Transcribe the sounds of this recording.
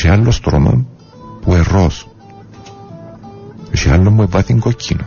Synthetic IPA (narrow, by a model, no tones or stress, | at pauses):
ʃealːost̪ɾomo̰n | pueros | oʃia̰lːomːuepɐθiŋɡocʰːino